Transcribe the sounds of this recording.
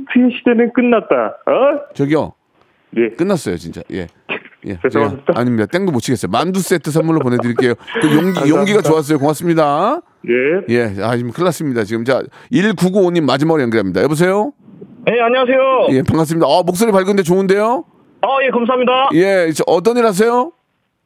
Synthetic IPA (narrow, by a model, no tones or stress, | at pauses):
tʰiɕʰi̥denɯnk͈ɯnːat̚t͈a̰ | t͡ɕʌɡiʌ̰ | jek͈ɯnːas͈ʌjo̰t͡ɕint͡ɕ͈a̰je̞̰ | jʔe̞̰et͡ɕaa̰ɲimɲidat͈eŋdomot͡ɕʰiɡe̞s͈ʌjomandus͈etʰɯs̬ʰamuɭːop̬one̞dɯɾiɭk͈e̞jokɯjoŋɡijʌŋɡiɡat͡ɕoas̬͈ʌjokoŋas͈ɯmɲida | jeje̞amkʰɯɭːas͈ɯmɲidat͡ɕiɡɯmt͡ɕa | iɭkuɡuoɲimːad͡ʑimaɡɯɭjʌŋɡiɭɦamɲida̰jebos̬ʰe̞jojeaɲiwas̬ʰe̞joje̞paŋas̬ɯmɲidaʌmok̚s͈oɾipaɭɡɯnd̪et͡ɕoɯnde̞jo | ʌje̞kamsʰaɦamɲidaje̞t͡ɕ͈eʔʌt̬͈ʌɲiɾhas̬ʰe̞jo